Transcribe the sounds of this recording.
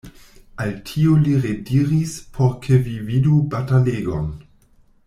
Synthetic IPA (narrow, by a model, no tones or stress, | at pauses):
altʰioliʁediʁispʰoɾkʰevividubataleːɡo̰n